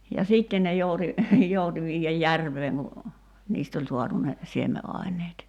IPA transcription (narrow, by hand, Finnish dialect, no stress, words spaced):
jɑ siːtːen ne jouti jouti ʋiːjæj jærʋˑeːŋ ku niːst olʲ suɑtu ne siemeʔɑˑi̞nˑeːt